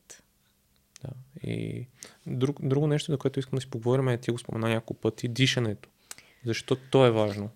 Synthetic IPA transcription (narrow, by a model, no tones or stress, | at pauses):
t̪ | d̪̥aḭ | d̪ɾuɡd̪ɾuɡonɛʃt̪ozɐkoɛt̪ʊiskəmd̪ɐsipoɡovɔɾʲimɛt̪ʲiɛɡospo̰mɛnanʲakokpɤt̪id̪iʃɐnɛt̪o̥ | zɐʃt̪ɔt̪ːoɛvaʒno